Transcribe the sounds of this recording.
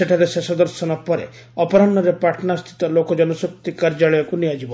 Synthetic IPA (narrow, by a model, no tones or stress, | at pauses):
seʈʰaɾesesɔd̪ɔɾsɔnɔpɔɾḛ | ɔpɔɾanːɔɾepɾaʈʰnast̪ʰi̥t̪ɔlokɔd͡ʒɔnɔsuk̚t̪ikaɾd͡ʒaɭɔjɔkuniad͡ʒibɔ